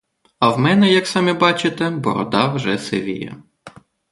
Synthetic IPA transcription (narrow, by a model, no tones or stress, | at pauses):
ɐwmɛnɛjɐksɑmʲibɑt͡ʃɪt̪ɛbɔ̰ɾɔ̰d̪ɑwʒɛseʋʲḭjɐ̰